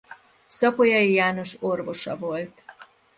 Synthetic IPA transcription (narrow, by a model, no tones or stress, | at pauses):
sɒpojɒjijaːno̞ʃorvo̞ʃɒ̰vo̞lt̪